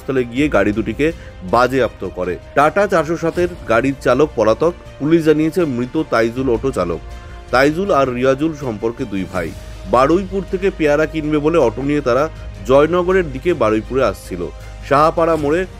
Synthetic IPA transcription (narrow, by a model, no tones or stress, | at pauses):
st̪ʰɔleɡijeɡaɽid̪uʈike | bad͡ʑeap̚t̪okɔɾeʈaʈat͡ɕaɾʃoʃat̪eɾɡaɽiɾt͡ɕalok̚pɔɾat̪ɔk | puliʃd͡ʑanijet͡ɕʰemɾit̪ot̪ajd͡ʑulɔʈot͡ɕalo̰k̚ | t̪ajd͡ʑulaɾːiad͡ʑulʃɔmpoɾked̪ujbʱa̰j | baɽojpuɾt̪ʰekepeaɾakinbeboleɔʈoniet̪aɾad͡ʑɔjnɔɡoɾeɾd̪ikebaɽojpuɾeaʃt͡ɕʰilo̰ | ʃaɦapaɽamoɽe